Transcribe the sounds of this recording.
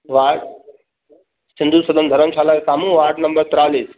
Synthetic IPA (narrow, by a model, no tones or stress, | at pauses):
ʋaːɾɖ̚ | sɪ̃nd̪ʱusɐd̪ʱənd̪ʱɐɾəmʃaːlakesaːmũːʋaːɾɖnɐ̃mbəɾt̪ɾaːliːs